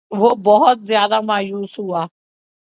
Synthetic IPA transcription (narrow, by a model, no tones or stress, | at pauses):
vobɔɦɔt̪zjad̪amajusua